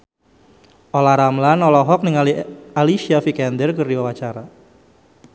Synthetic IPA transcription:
ʔolaɾamlanɔlɔɦɔk̚niŋalialiʃiafikɛndərkərdiwawat͡ʃaɾa

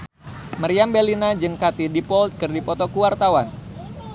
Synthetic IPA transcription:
maɾiambelinad͡ʒɨŋkat̪idipɔlt̪̚kɨrdipɔt̪ɔkuwart̪awan

